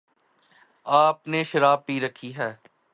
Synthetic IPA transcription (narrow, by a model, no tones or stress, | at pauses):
aːpneʃəɾaːb̚piːɾəkʰːiɦɛː